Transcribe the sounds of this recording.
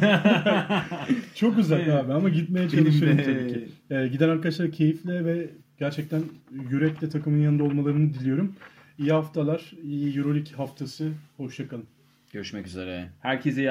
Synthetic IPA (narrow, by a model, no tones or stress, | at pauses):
t͡ʃʰo̞k̚ɟyzælʲaːbænamaɟit̪me̞jɛt͡ʃʰalˠuʃmɯjoɾumt̪ʰabicʰiɟid̪ænaɾkad̪aʃlˠaɾcʰe̞jiflʲɛvɛ | ɟ̥æɾt͡ʃʰɛc̚t̪ʰænjyɾɛclʲɛt̪ʰakɯmɯnjanɯnao̞lˠmalˠaɾɯnɯd̪ilʲijo̞ɾum | ijihaft̪ʰalˠaɾ̥ijijuɾo̞lʲichaft̪ʰasɯho̞ʃjakan | ɟ̥øɾyʃmɛcyzḛɾɛhæɾcʰezi